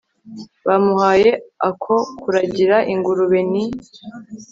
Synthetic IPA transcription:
βamuhaːjeakʰo̞kuɾaɟiɾaʔiŋɡuɾuβeni

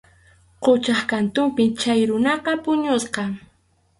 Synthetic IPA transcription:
qot͡ʃaχkant̪ʊmpɪt͡ʃajɾʊnɑqɑpʊɲʊsqɑ

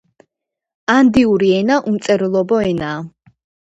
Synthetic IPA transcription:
and̪iuɾiɛnaʔumt̪sʼɛɾlˠɔbɔɛnaː

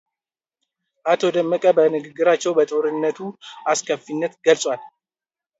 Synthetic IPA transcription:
ʔat̪ʰo̞d̪əmːəkʼəbənɨɡɨɡːɨɾat͡ʃːɛwbət̪ʼoɾɨnːət̪ʰuʔaskʰəfinːət̪ɡ̥əlsʼwal

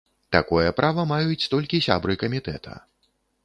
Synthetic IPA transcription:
t̪akɔjɛpɾʔavɐmajut͡sʲt̪ɔlʲkʲisʲa̰bɾɨkɐmʲit̪ɛ̰t̪ʰɐ̰

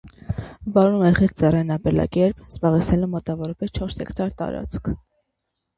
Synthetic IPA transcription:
vɑɾumɛχɛt͡sʰd͡zɛrɛnɑpɛlɑ̰kɛɾpz̥bɑʁɛt͡sʰnɛlɛmɔt̪ɑvɔɾɑpɛst͡ʃʰɔɾshɛ̰kt̪ɑɾt̪ɑ̰ɾɑ̰t͡skʰ

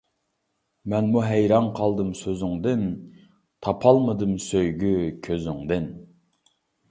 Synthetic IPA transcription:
mɛnmuɦɛjɾɑnqʰɑlˠd̪ɨmsøzɪŋd̪ɨn | t̪ʰɑpʰɑlˠməd̪ɨmsøjɡʲykʲʰøzyŋd̪ɨn

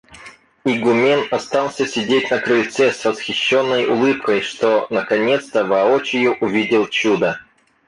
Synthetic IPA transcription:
iɡʊmʲenɐst̪ɑlˠsʲəsʲɪdʲet̚ʲnəkɾɨlt̪sɛsvəsxʲɪɕːo̞nːəjʊlˠɨpkəjʂt̪onəkɐnʲe̞t̪st̪əvɐot͡ɕɪjʊʔʊvʲidʲɪlˠt͡ɕud̪ə

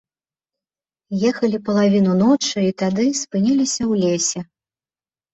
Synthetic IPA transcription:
jɛxɐlʲipɐlˠavʲinunɔt͡ʂɨit̪ad̪ɨspɨnʲɛlʲisʲɐwlʲesʲɛ

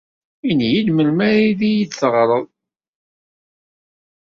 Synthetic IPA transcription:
injilməlmæɾiðijit͡sːəʁɾˤəðˤ

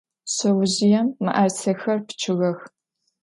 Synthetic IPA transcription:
ɕɐwʊʑɪjɛmːɨ̰ʔɐrt͡sʰɐxɐrpʰt͡ʃʰɨɣɐx

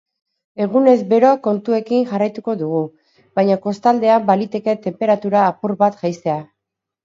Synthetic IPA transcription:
e̞ɣ̞une̞zbe̞ɾo̞ko̞nt̪ue̞kiŋʝarajt̪uko̞ðuɣ̞u | βajɲako̞st̪ald̪e̞ambalit̪e̞ke̞t̪e̞mpe̞ɾat̪uɾaːpuɾβat̪ʝajse̞a

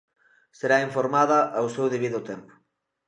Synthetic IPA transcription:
seɾaiɱfoɾmaðɐʔawsewðeβiðʊt̪empʊ̥

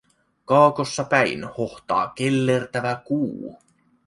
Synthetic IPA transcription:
kɑːko̞sːɑpæinhoht̪ɑ̰ːk̟elːe̞rt̪æʋækuː

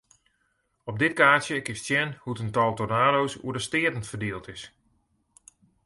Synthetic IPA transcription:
ɔb̚dɪt̚kaːtjəkɪstsjɛnhutəntɔlˠtonaːdowsṵədəstɪətn̩tfərdeːlˠtɪs

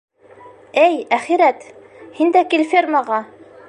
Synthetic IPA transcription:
ɘjæχiɾæt̪ | hind̪ækilʲfʲermɑʁɑ

